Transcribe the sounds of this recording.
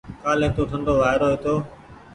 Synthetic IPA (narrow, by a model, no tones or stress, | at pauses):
kaːlẽːt̪oːʈʰəɳɖoːʋaːɦɪɾoːɦeːt̪oː